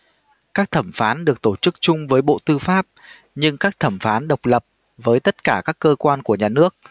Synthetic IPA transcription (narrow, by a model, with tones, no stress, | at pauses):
kaː˦˥k̚t̪ʰə˧˩mfaː˨˦nɗɨ˨˩ək̚t̪o˧˩t͡ɕɨ˦˥k̚t͡ɕʊ˧ŋ͡mvəː˨˦jɓo̰˧˨t̪ɨ˧faː˦˥p̚ | ɲɨ˧ŋkaː˦˥k̚t̪ʰə˧˩mfaː˨˦nɗə˨˩wk͡p̚lə˨˩p̚ | vəː˨˦jt̪ə˦˥t̚kaː˧˩kaː˦˥kːəː˧kwaː˧nku˧˩əɲaː˨˩nɨ˦˥ək̚